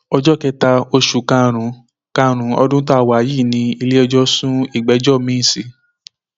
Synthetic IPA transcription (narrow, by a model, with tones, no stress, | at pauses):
ɔ˧d͡ʒɔ˦kɛ˧ta˧o˧ʃu˨kã˧ɾ̃ũ˨˦ | kã˧ɾ̃ũ˨˦ɔ̰˧dũ˦t̬ɔ˦a˧˨wa˨˦ji˦˨nĩ˧i˧le˦ɔ˧d͡ʒɔ˦sũ˦i˦˨ɡ͡bɛ˨˦d͡ʒɔ˦˨mĩ˦˨si˨˦